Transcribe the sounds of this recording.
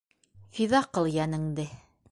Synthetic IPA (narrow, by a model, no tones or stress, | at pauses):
fiðɑqɤlˠjænɘ̆ŋd̪ɘ